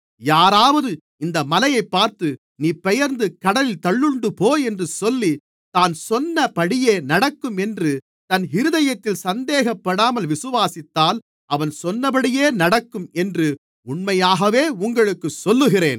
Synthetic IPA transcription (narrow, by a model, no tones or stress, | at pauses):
jaːɾaːʋɐðɯ | ɪnd̪ɐmɐlɐjɐɪpːaːɾt̪ɯ | niːpɛjɐɾnd̪ɯkɐɽɐlɪlt̪ɐɭːɯɳɖɯpoːjɛndrɯsɔlːi | t̪aːnsɔnːɐpɐɽɪjeːnɐɽɐkːɯmɛndrɯ | t̪ɐnɪɾɯðɐjɐt̪ːɪlsɐnd̪eːɣɐpːɐɽaːmɐlʋɪsɯʋaːsɪt̪ːaːl | ʔɐʋɐnsɔnːɐbɐɽɪjeːnɐɽɐkːɯmɛndrɯ | ʊɳmɐjaːɣɐʋeːʊŋɡɐɭɯkːɯsɔlːɯɣɪreːn